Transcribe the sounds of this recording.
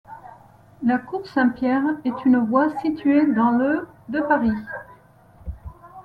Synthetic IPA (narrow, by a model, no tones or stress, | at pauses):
lakuʁsɛ̃pjɛʁɛt̪ʰynvwasit̪ɥed̪ɑ̃lød̪əpaʁi